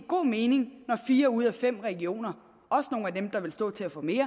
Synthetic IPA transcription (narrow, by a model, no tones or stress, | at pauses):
ɡ̥o̝̰ːme̝ːne̝ŋnɒfiːɐuð̞̰ˠæfem̰ʁɛɡ̥io̝̰ːnɐ | ɒ̽səno̝ːn̩æd̥emd̥ɑ̈ʋe̝lsd̥ɔ̰̽ːt͡sʰe̝æfɒ̽me̝̰ːɐ